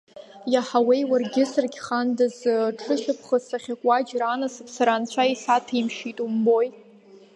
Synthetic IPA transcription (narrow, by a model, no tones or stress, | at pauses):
jaħawejwarɡʲɪsɨrɡʲχandazʈ͡ʂʰɨʃᶣapʰχəsaχʲakʷʼad͡ʒranasɨpʰsaɾant͡ɕʷʰaisatʰimʃitʼumbo̞j